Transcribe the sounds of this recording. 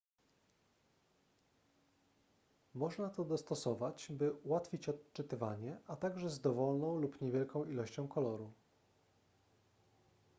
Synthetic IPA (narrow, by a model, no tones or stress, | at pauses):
mɔʐnat̪ɔd̪ɔst̪ɔsɔvat͡ɕbɘuwat̪fʲit͡ɕɔt̪t͡ʂɘt̪ɘvaɲɛʔat̪aɡʐɛzd̪ɔvɔlnɔ̃w̃lupɲevʲjɛlkɔ̃w̃ilɔɕt͡ɕɔ̃w̃kɔlɔɾu